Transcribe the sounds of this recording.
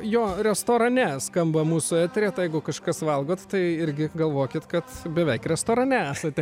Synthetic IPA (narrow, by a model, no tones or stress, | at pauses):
joːɾʲɛst̪oːɾɐnʲɛskɐmbɐmuːsʊæːt̪ʲɾʲeːt̪jɛɪɡʊkɐʃkɐsʋɐlˠɡoːt̪t̪ɐɪɪɾʲɡʲɪɡɐlˠʋoːkʲɪt̪kɐt̪bʲɛʋʲɛɪkɾʲɛst̪oːɾɐnʲɛæːsɐt̪ʲɛ